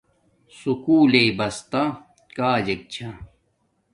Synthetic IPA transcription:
sukuːleibɐst̪a | kaːd͡ʑɐk̚t͡ɕʰɐ

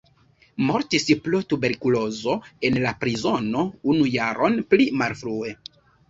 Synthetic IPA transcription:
mo̞ɾtisplotube̞ɾkulo̞zo̞e̞nlapɾizo̞no̞unujaɾʔo̞nplimalfɾue̞

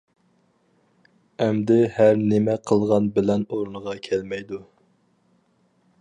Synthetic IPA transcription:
ɛmd̪ɪhæɾnɪmɛqʰəlˠʁɑnbɪlɛnoɾnəʁɑkʲʰɛlmɛjd̪u

